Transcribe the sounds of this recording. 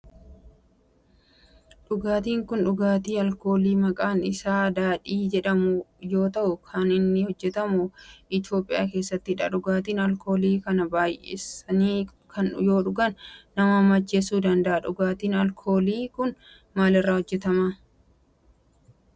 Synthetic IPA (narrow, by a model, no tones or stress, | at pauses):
ᶑʊɡaːt̪iːŋkʊnᶑʊɡaːt̪iːɐlko̞ːliːmɐkʼaːnɪsaːd̪aːᶑiːd͡ʒɛᶑɐmʊjo̞ːt̪ɐʔʊkʰɐnɪnːɪhɔd͡ʒːɛt̪ɐmʊʔɪt̪jo̞ːpʼːɪja̰ːke̞ːsːɐt̪ːɪɪᶑɐ̰ᶑʊɡaːt̪iːnɐlkʰo̞ːliːkɐnɐbaːjʔḛsɐniːkʰɐnjo̞ːᶑʊɡɐnːɐmɐmːɐt͡ʃːeːsuːd̪ɐnd̪ɐʔɐᶑʊɡaːt̪iːnɐlkʰo̞ːliːkʊn | maːlɪrːaːhɔd͡ʒːɛt̪ɐmaː